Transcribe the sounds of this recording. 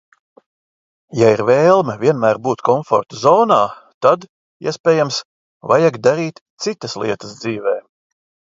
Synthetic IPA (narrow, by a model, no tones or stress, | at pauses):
jaiɾveːlˠmɛvʲiɛnmæːɾbuːt̪kɔɱfɔ̰ɾt̪uzɔːnaːt̪ad̪ | ḭɛspɛːjams | vajaɡd̪aɾiːt̪t̪sit̪ɐslˠḭɛt̪əsd̪ziːvɛː